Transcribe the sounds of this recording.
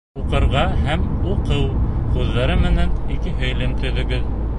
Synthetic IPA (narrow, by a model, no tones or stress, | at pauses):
uqɤ̆ɾʁɑɦæmuqɤwqʉðːɑɾɤmɘ̆nænikɘɦɵ̆jlɘmt̪ɵ̆ðɵ̆ɡɘð